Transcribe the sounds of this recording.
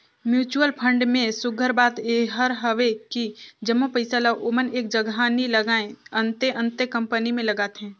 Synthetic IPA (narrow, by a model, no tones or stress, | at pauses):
mjuːt͡ʃuəlpʰə̃ɳɖmẽsʊɡʱəɾbaːt̪eɦəɾɦəʋekid͡ʒəmːopəɪsalaʔoməneːk̚d͡ʒəɡanilɐɡaːẽə̃nt̪eʔə̃nt̪ekɐ̃mpənimẽlɐɡaːt̪ɦɛ̃ː